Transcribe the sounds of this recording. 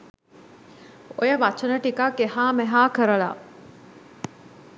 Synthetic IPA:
ojɐʋat͡ʃɐnəʈikakeɦaːmeɦaːkəɾəɭa̰

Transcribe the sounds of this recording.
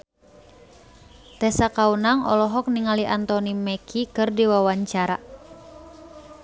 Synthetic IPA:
t̪ɛsakaunaŋɔ̰lɔɦɔk̚niŋaliʔant̪ɔnimɛkʰikɨrdiwawaɲt͡ʃaɾa̰

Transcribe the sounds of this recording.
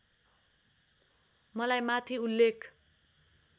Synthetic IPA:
mʌlajmat̪ʰiulːekʰ

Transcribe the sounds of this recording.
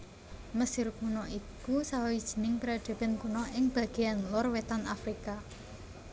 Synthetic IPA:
məsɪrkunɔʔikusawawid̥ʒ̥i̥̤nɪŋpɾaɖ̪̥e̤b̥ɛ̤nkunɔʔɪŋb̥a̤ɡ̥eanlɔrwet̪anafɾika

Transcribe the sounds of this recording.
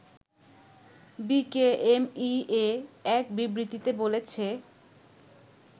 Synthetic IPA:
bikeemieɛk̚bibɾit̪it̪ebolet͡ɕʰe

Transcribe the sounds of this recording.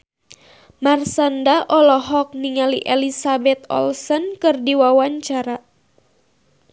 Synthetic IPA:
marsandaʔɔlɔɦɔk̚niŋaliʔelisabɛt̪ɔ̰lsɔnkɨrdiwawaɲt͡ʃaɾa

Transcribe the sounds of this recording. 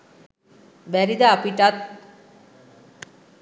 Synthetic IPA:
ʋæɾid̪aːpiʈat̪̚

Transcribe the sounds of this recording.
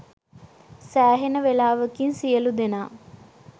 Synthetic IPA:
sæːɦenəʋelaːʋəkinsijəlud̪enaː

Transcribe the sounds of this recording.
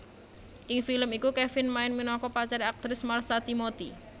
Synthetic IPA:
ʔɪŋfiləmikukɛfɪnmaɪnminɔkɔpat͡ʃaɾiak̚t̪ɾɪsmarsat̪imot̪i

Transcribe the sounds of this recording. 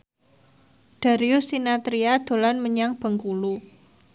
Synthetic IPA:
ɖ̪̥a̤ɾiusinat̪ɾiad̪̥o̤lanməɲaŋb̥ə̤ŋkulu

